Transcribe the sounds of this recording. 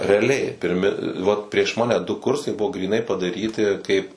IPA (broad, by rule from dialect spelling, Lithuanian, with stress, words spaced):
rʲɛɐˈlʲɛɪ pʲɪrʲˈmʲɪ ˈʋɐt pʲrʲiɛʃ ˈmɑːnʲɛ dʊ ˈkʊrsɐɪ ˈbʊʋoː ɡrʲiːˈnɐɪ pɐdɐˈrʲiːtʲɪ kɐɪp